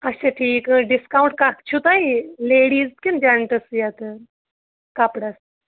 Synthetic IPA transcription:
ətːɕʰaʈʰiːkɖiskauɳʈ̚kakt͡ɕʰut̪aɦileɽiːd͡z̪kind͡ʒaɳʈəsjat̪ə | kapɽas

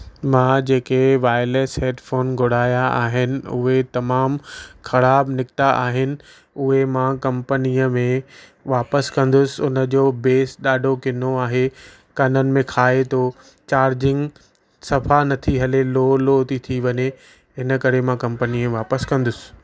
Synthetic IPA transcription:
mãːd͡ʑeːkeʋaːɪleːsɦeːɖfoːnɡʱʊɽ̤aːjaaːɦɪnɪ̆ʊ̰ɦet̪ɐmaːmxɐɾaːbnɪkt̪aʔaːɦɪnɪ̆ | ʊɦemãːkɐ̃mpəniːəmẽʋaːpəskɐ̃nd̪ʊsɪ̆ʊnə̆d͡ʑoːbeːsɗaːɖʱokɪn̤oaːɦe | kɐnənɪ̆mẽkʰaːet̪ʰoː | t͡ɕaːɾd͡ʑɪ̃ŋɡ | sɐfanɐt̪ʰiɦɐleloːloːt̪it̪ʰiʋɐɲe | ɦɪnə̆kɐɾemãkɐ̃mpəniẽʋaːpəskɐ̃nd̪ʊsɪ̥̆

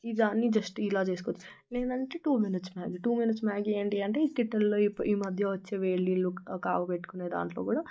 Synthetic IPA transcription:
id̪aːnːid͡ʒɐsʈilaːt͡ʃe̞ːsukot͡ʃː | neːnɐɳʈeːʈuːminiʈsmaːɡʈuːminiʈsmaːɡeːɳʈiɐɳʈeːikiʈːɐlloːipːʔiːmɐd̪ʱjɐʋɐt͡ʃːeːʋeːɭːilːukaːɡɐpeʈːu̥kune̞ːd̪a̰ːɳʈlo̞ːkuːɽaː

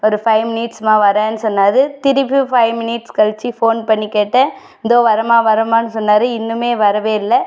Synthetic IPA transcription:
ɔɾɯfɐɪmɪniʈsmaːʋɐɾɛ̃ːnːɯsɔnːaːðɯt̪ɪɾɪpːɯfɐɪmɪnɪʈskɐɻt͡ʃːifoːnpɐɳːikːeːʈːɛ | ɪnd̪oːʋɐɾɐmaːʋɐɾɐmaːnːɯsɔnːaːðɯɪnːɯmeːʋɐɾɐʋeːɪlːɛ

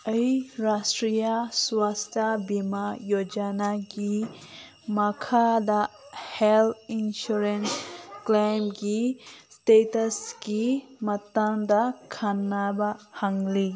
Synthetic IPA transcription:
əjɾastɾijaswastʰabimajod͡ʒanaɡi | makʰadahelinʃuɾensklajmɡistetɐsɡimat̪aŋd̪akʰanːabahaŋli

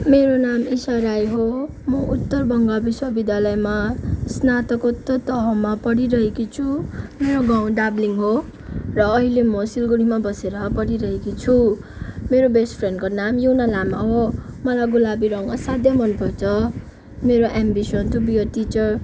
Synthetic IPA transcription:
meɾonamisʌɾajɦo | mʌʔut̪ːʌrbʌŋɡabiswabid̪jalʌjmasnat̪ʌkot̪ːʌt̪ʌɦʌmapʌɽiɾʌɦekit͡sʰumeɾoɡaw̃ɖabliŋɦo | rʌːɦilemʌsilɡuɽimabʌseɾʌpʌɽiɾʌɦekit͡sʰu | meɾobesʈpʰrenɖkonamjuwnalamʌbʌmʌlajɡulabiɾʌŋʌsad̪jʌmʌnpʰot͡sʰʌ | meɾoʔambisʌnt̪ubijʌʈit͡sʌr

